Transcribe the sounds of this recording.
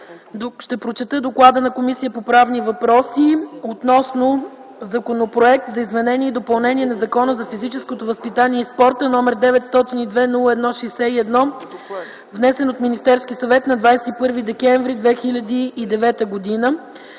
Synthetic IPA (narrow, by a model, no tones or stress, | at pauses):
ʃt̪ɛpɾot͡ʃɛt̪əd̪oklˠad̪ənɐkomisijəpopɾavnivɐpɾɔsiot̪nɔsno | zɐkonopɾoɛk̚t̪zɐizmɛnɛniɛid̪opɐlˠnɛnʲiɛnɐzɐkɔnəzɐfizit͡ʃɛskot̪ovəspit̪aniɛispɔɾt̪ənɔmɛɾd̪ɛvɛt̪st̪ɔt̪inid̪vɛnulˠəɛd̪nɔʃɛjsɛiɛd̪nɔ | vnɛsɛnot̪minʲist̪ɛɾskisɐvɛt̪nɐd̪vajsɛt̪ipɤɾvid̪ɛkɛɱvɾid̪vɛxilʲɐd̪iːd̪ɛvɛt̪əɡod̪inə